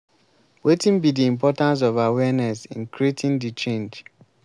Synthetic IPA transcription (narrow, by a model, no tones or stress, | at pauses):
wetĩnbidiĩmpʰɔtãns̬ɔvawɛnɛsḭ̃nkɹietʰĩndit͡ʃẽnd͡ʒ